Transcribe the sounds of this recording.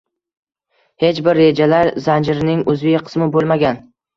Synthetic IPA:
he̞t͡ʃbɪɾːe̞d͡ʒalaɾzand͡ʒɪɾɪnɪŋɵzveqʰɨ̥smɪbolˠmaɡʲan

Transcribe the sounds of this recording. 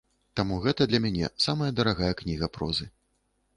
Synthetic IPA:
t̪amuɣɛt̪ɐd̪lʲɐmʲanʲɛ̰samɐjɐd̪ɐɾaɣajɐknʲiɣɐpɾɔzɨ

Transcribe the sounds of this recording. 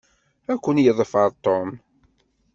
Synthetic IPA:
ækʷːənjəðˤfɑɾˤt̪om

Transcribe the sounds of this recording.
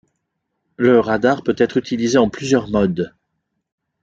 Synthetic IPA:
ləʁad̪aʁpøt̪ɛt̪χyt̪ʰilizeɑ̃plyzjœʁmɔd̪

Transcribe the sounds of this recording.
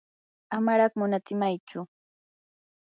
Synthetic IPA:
amaɾɑχmʊnat͡sɪmajt͡ʃʊ

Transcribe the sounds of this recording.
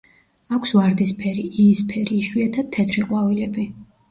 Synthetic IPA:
akʷʰsvaɾd̪ispʰɛɾiispʰɛɾiːʃwiat̪ʰad̪̚t̪ʰːɛt̪ʰɾiqʼwavilɛbi

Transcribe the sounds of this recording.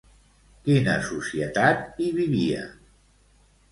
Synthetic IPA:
kinə̰susiət̪at̪iβiβiə̰

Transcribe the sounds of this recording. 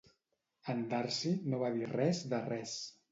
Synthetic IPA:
ənd̪aɾsinoβaðirɛzðərɛs

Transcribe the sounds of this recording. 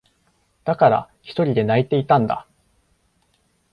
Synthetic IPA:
d̪̥akaɾa̰çi̥t̪o̞ɾʲid̪e̞nait̪e̞it̪ãnd̪a̰

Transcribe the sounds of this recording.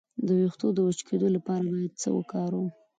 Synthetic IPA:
d̪əwext̪od̪əwət͡ʃkʰed̪olapɑɾabɑjad̪̚t͡sə̰wə̰kɑɾwu

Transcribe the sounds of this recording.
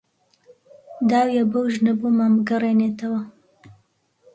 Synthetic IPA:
d̪aːwjabɐwʒnɐbumamɡɐreːneːt̪ɐwɐ

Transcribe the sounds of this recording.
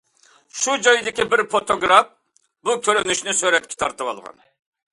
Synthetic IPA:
ʃud͡ʒɑjd̪ɪkʲibɪɾpot̪oɡɾɑf | bukʲʰøɾɪnyʃnɪsøɾɛt̪̚kʲʰɪ̥t̪ʰɑɾt̪ɨwɑ̰lˠʁɑ̰n

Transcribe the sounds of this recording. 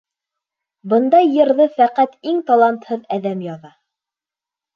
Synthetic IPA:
bɤ̆nd̪ɑjːɤ̆ɾðɤfæqæt̪iŋt̪ɑlˠɑnt̪hɤðæðæmjɑðɑ

